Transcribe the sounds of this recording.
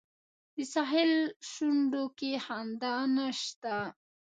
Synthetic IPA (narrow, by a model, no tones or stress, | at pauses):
d̪əsaɦɪlʃuɳɖokehand̪anaʃt̪a